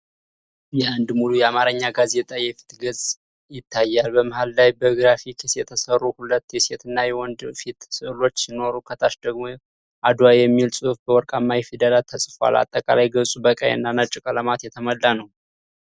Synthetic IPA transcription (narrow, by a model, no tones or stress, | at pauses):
jɛand̪mulujɛamaɾɨɲːaɡaze̞t̪ʼajɛfi̥t̪ɡəsʼ | jɪt̪ʰːajːalbəməhalːajbəɡɨɾafikʰisjɛt̪ʰəsərːuhulət̪ːjɛse̞t̪ɨnːajɛwɔnd̪fit̪sɨlo̞t͡ʃːsino̞ɾukʰət̪ʰaʃd̪əɡmo̞ | ʔad̪wajɛmːilsʼɨfbəwɔɾkʼamːajɛfid̪əlat̪ʰəsʼfoa̰lʔa̰t̪ʼːəkʼa̰lajɡəsʼubəkʼa̰jɨ̰nːanat͡ʃʼɪkʼələmat̪jɛt̪ʰəməlːanəw